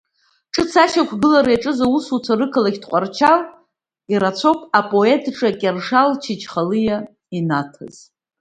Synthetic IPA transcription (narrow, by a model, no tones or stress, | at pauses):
ʈ͡ʂʼɨt͡sʰaʃakʷʰɡɨlaɾjʈ͡ʂʼɨzausut͡sʰaɾɨkʰalaɡʲdqʷʼart͡ʃʰal | iɾat͡sʷʰopʼapʼo̞e̞tʰʈ͡ʂʼakʲʼerʂalt͡ʃʰit͡ʃʰχalɨja | inatʰa̰z̥